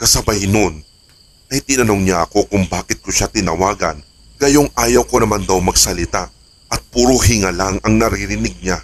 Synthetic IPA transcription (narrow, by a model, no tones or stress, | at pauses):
kɐsɐbɐjno̞n | ʔɐjt̪ɪnɐno̞ŋɲaʔɐko̞kʊŋbaːkɪt̪̚koʃat̪ɪnɐwaːɡɐ̰n | ɡ̥ɐjo̞ŋʔaːjɐwko̞nɐmand̪ɐwmɐɡsɐlɪt̪a | ʔɐt̪̚pʊɾoɦɪŋalaŋɐŋnɐɾɪɾɪnɪɡ̚ɲa